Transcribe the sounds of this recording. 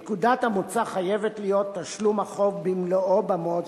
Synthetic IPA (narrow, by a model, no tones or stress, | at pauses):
kud̪at̪amot͡saχajevet̪lijo̞t̪ːaʃlumhaχo̞vbimloobamo